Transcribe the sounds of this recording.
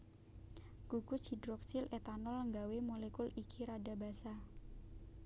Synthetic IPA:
ɡ̥uɡʊshidɾɔksilet̪anɔlːəŋɡawemolekulikʰiɾada̤ba̤sa

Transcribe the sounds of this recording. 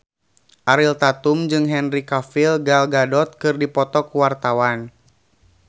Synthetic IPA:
ʔaɾilt̪at̪umd͡ʒɨŋɦɛnrikafilɡalɡadɔt̪̚kɨrdipɔt̪ɔkuwart̪awan

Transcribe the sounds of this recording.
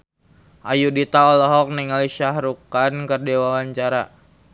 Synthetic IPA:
ʔajudit̪aɔlɔɦɔk̚niŋaliʃahɾukankərdiwawaɲt͡ʃaɾa̰

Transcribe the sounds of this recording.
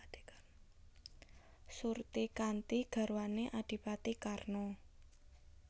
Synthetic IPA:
surt̪ikant̪iɡ̥a̤ɾuwaneʔaɖ̥i̤pat̪ikarnɔ

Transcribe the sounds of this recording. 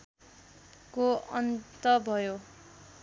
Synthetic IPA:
koʌnt̪ʌbʱʌjo

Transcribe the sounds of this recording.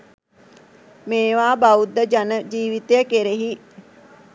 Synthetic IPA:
meːʋaːbaud̪ːəd͡ʒanəd͡ʒiːʋit̪ejəkeɾeɦi

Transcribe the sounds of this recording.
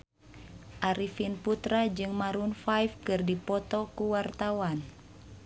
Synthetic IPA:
ʔaɾifinput̪ɾad͡ʒɨŋmaɾunfajfkɨrdipɔt̪ɔkuwart̪awan

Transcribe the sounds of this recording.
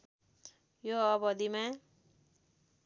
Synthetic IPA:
joʌbʌd̪imã

